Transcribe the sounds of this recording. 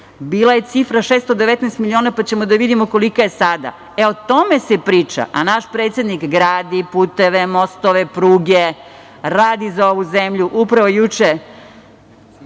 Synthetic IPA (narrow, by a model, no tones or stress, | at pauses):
biːlˠaje̞t̪sifɾaʃeːst̪od̪eʋet̪nɛːst̪milio̞ːnapat͡ɕemod̪aʋid̪imoko̞likojesad̪a̰ | eot̪o̞mesepɾiːt͡ʂa̰ʔa̰naʃpɾet̪sʲjed̪nikɡɾaːd̪ipuːt̪eʋemo̞st̪oʋepɾuːɡe | ɾaːd̪izao̞ʋuzemʎuʔupɾaʋojut͡ʃe